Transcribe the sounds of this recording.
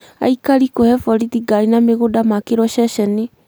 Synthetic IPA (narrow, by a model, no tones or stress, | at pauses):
a̰ikaɾikohɛfɔɾidiɡaɾinameɣodamakeɾɔʃɛɕɛne